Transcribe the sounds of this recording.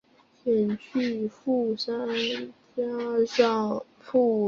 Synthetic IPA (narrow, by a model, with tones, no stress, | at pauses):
ɕjɛ˨˩nt͡ɕʰy˥˩fu˥˩ʂa˥nt͡ɕja˥ʂɑ˥˩ŋpʰu˥˩